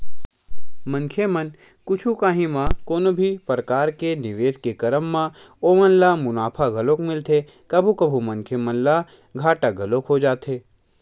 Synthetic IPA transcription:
mɐ̃ŋkʰemən | kʊt͡ʃʰukaːɦĩmãkoːnobʱipəɾəkaːɾkenɪʋeːskekɐɾəmːã | oːmənlamʊnaːpʰaɡʱɐloːkmɪlt̪ʰe | kɐbʱukɐbʱumɐ̃ŋkʰemənla | ɡʱaːʈaɡʱɐloːkɦod͡ʒaːt̪ʰeː

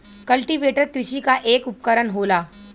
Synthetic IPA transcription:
kəlʈiʋeʈəɾkɾɪɕikaʔeːkup̚kəɾəɳɦola

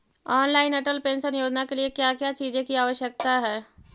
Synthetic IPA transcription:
aːnlaːɪnɐʈəlpẽːnsənjoːd͡ʒnakeliekjaːkjat͡ʃiːzẽkiaːʋəʃjək̚t̪aɦɛː

